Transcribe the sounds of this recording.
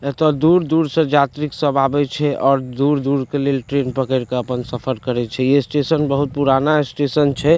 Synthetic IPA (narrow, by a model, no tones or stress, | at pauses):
t̪ɔd̪uɾd̪uɾsə̃d͡ʒat̪ɾiksəbʱabɛt͡ʃʰɛʔɔːɾd̪uɾd̪uɾkelelʈɾenpəkəɾkeəpənsəpʰəɾkəɾɛt͡ʃʰɛjesʈesənbəɦut̪̚puɾanaesʈesənt͡ʃʰɛ